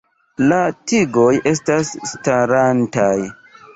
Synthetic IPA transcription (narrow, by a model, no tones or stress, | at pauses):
latiɡo̞je̞s̬tasːtaɾantaj